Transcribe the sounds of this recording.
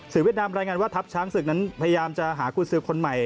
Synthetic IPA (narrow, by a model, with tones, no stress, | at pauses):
sɯː˨˩wi˦˩t̪̚naː˧mɾaː˧jŋaː˧nwaː˥˩t̪ʰa˦˥p̚t͡ɕʰaː˦˥ŋsɯ˨˩k̚na˦˥npʰa˧ja˧jaː˧mt͡ɕa˨˩ɦaː˩˦kʰuː˧nsɯː˧kʰo˧nma˨˩j